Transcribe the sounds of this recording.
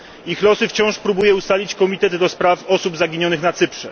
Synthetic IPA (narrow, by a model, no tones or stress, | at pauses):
ixlɔsɘft͡ɕɔ̃w̃ʂpɾubujɛust̪alʲit͡ɕkɔmʲit̪ɛd̪ːɔspɾafɔsubzaɡʲiɲɔnɘxnat̪sɘpʂɛ